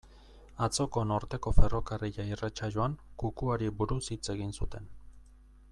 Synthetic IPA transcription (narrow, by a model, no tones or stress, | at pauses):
at͡so̞ko̞no̞ɾt̪e̞ko̞fe̞ro̞kariʎairat͡ʃaʎoaŋkukuaɾibuɾusit͡se̞ɣinsut̪e̞n